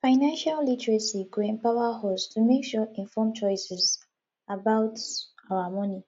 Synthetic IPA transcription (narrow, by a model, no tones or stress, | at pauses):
faɪnãnʃallitɹasiɡɹẽnpawahɔstʰumekʃuĩɱfɔmt͡ʃɔɪsɛs | abaʊtawamɔ̃ni